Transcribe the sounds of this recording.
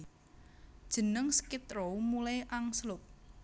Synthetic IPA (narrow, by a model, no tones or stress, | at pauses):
d̥ʒ̥ə̤nəŋsə̥kit̪ɾomulajʔaŋslʊk̚